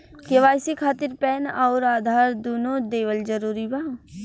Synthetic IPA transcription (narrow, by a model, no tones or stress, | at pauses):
keʋaːjsikʰaːt̪ɪɾpɛːnɔːɾaːd̪ʱaːɾd̪oːnõd̪eːʋəld͡ʒəɾuːɾibaː